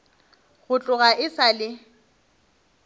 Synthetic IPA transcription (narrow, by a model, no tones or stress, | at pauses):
ɣʊt͡ɬʼʊɣaʔɪsalɪ